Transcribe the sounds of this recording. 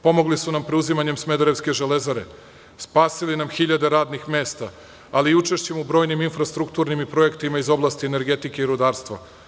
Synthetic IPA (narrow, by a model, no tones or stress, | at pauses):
po̞mo̞ɡlisunampɾeuzimaɲe̞msme̞d̪oɾe̞ʋske̞ʒele̞zaɾe̞ | spaːsilinamxiʎad̪e̞ɾaːd̪nixme̞ːst̪a | aliːut͡ʃe̞ʃt͡ɕe̞mubɾo̞ːjniminfɾast̪ɾukt̪uɾnimipɾo̞je̞kt̪imaizo̞blˠaːst̪iene̞ɾɡe̞t̪ike̞iɾud̪aːɾst̪ʋa̰